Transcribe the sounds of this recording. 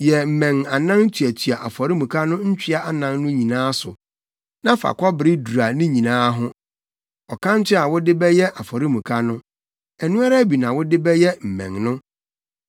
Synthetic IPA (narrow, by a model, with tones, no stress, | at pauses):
jɛ˨m̩˨mɛ̃˨ŋa˨nã˦ŋ˦tʰɥæ˨tʰi˨a˨ʔa˨fɔ˨ɾi˦mũ˨kʰa˦nʊ̃˦ɲ̩˦t͡ɕᶣʰɪ˦a˦a˦nã˦ŋnʊ̃˦ɲĩ˨nãː˦sʊ˨ | nã˦fa̰˨kʰɔ˦bɪ˨ɾɪ˦du˨a˨nɪ̃˦ɲĩ˨nãː˦ɦʊ̃˦ | ɔ˨kʰã˦n̩˦t͡ɕʰɪ˦a˨wʊ˦dɪ˦bɛ˦jɛ˦ʔa˨fɔ˨ɾi˦mũ˨kʰa˦nʊ̃˦ | ɛ˨nũ˦a˦ɾa˦bi˨nã˨wʊ˦dɪ˦bɛ˦jɛ˦m̩˨mɛ̰̃˨ŋnʊ̃˦